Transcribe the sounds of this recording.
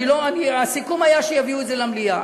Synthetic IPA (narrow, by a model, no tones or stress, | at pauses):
iloɐniasikumɐjaʃejɐviuzelɐmlija